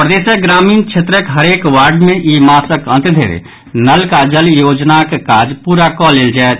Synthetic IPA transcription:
pɾəd̪eːsəɡɾaːmiːnkt͡ʃʃʰet̪ɾəkɦəɾeːkwaːɾɖmẽʔiːmaːsəkə̃nt̪d̪ʱḛɾḛ | nəlkad͡ʒəljoːd͡ʒnakekaːd͡ʒpuːɾakɔlːeːld͡ʒaːet̪

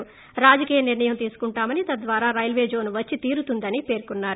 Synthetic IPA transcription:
ɾaːd͡ʒɐkiːjɐniɾɳɐjɐmt̪iːsu̥kuɳʈaːmɐnit̪ɐd̪ʋaːɾaːɾɐjlʋe̞ːd͡ʒo̞ːnuʋɐt͡ʃːit̪iːɾut̪und̪ɐnipe̞ːɾkunːaːɾu

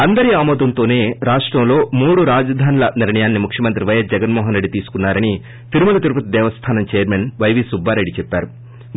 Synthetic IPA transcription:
ɐnd̪ɐɾiaːmɔːd̪ɐnt̪o̞ːne̞ːɾaːʂʈɾɐmlo̞ːmuːɽuɾaːd͡ʒɐd̪ʱaːnlɐniɾɳɐjaːnːimukʰjɐmɐnt̪ɾiʋɐjɐsd͡ʒɛɡɐnmɔːɦɐnɾe̞ɖːit̪iːsu̥kunːaːɾɐni | p̪ʰiɾumɐlɐt̪iɾupɐt̪id̪ɛːʋɐst̪ʰaːnɐmt͡ʃɛjɐɾmenʋɐjʋisubʱːaːɾeɖit͡ʃɛpːaːɾu

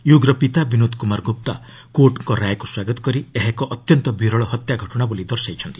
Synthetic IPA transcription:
juɡɾɔpit̪abinod̪kumaɾɡop̚t̪a | koʈŋkɔɾajkuswaɡɔt̪ɔ̥kɔɾieɦekɔʔɔt̪jɔnt̪ɔbʱiɾɔɭɔɦɔt̪jaɡʱɔʈɔɽ̃abulid̪ɔɾsajt͡ʃʰɔnt̪i̥

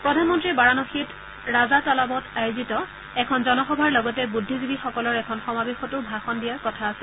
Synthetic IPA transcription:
pɹɔdʱanmɔntɹibaɹanɔxit | ɹazatɔlabɔtʰajozitɔ | ɛkʰɔnzɔnɔxɔbʱaɹlɔɡɔtɛbudʱːizibixɔkɔlɔɹɛkʰɔnxɔmabexɔtʊbʱaxɔndijaɹkɔtʰaːsil

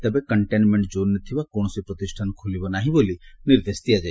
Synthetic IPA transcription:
t̪əbekəɳʈenmeɳʈd͡ʒonːət̪ʰiʋakoɳ̃ɔsipɾɔt̪isʈʰankʰulibɔnaɦĩboliniɾd̪est̪ijad͡ʒa

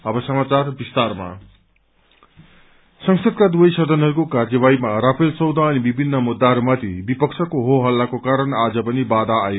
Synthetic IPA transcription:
ʌbʌsʌmat͡sarbist̪arma̰ | sʌŋsʌd̪̚kad̪uʌjsʌd̪ʱʌnɦʌɾukokard͡zʌβajmarapʰelsʌwd̪ʱʌːnibibʱinːʌmud̪ːaɦʌɾumat̪ibipʌksʰʌkoɦoɦʌlːakokaɾʌnad͡zʌpʌnibad̪aːjo

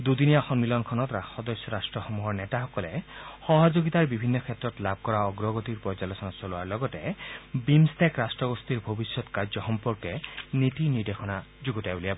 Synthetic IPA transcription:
d̪ud̪inijaxɔnmilɔnkʰɔnɔt̪ɾaxɔd̪ɔsjɔɾasʈɾɔxɔmuɦɔɾnetaɦɔkɔlehɔɦɔd͡ʒoɡit̪aɾbibʱinːɔkʰet̪ːɾɔt̪lab̚ʱkɔɾaɔɡɾɔɡɔt̪iɾpɔɾd͡ʒalɔsɔnat͡ʃɔluaɾlɔɡɔtebimst̪ekɾasʈɾɔɡɔst̪iɾbʱobisjɔt̪kaɾd͡ʒɔxɔmpɔɾkenit̪iniɾd̪exʰɔnad͡ʒuɡɔt̪abuliab

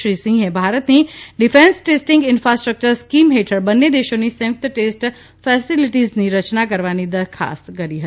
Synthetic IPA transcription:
ɾisĩŋɡɦebʱaɾət̪niɖɪfẽnsʈesʈɪ̃ŋɡɪnfɾasʈɾək̚t͡ʃəɾskimɦeʈʰəɾbənːed̪eʃonisɛ̃t̪əʈesʈ | fɛsiliʈizniɾət͡ʃnakəɾʋanid̪əɾkʰa̰skəɾiɦə

